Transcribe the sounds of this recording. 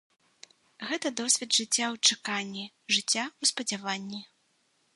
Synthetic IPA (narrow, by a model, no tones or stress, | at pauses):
ɣɛt̪ɐd̪ɔsʲvʲɛd̪ʐɨt͡sʲːawt͡ʂɨkanʲːi | ʐɨt͡sʲːawspɐd͡zʲavanʲːi